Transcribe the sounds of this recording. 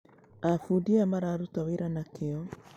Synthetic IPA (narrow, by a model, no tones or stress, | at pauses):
afudiamaɾaːɾutaweɾanakeɔ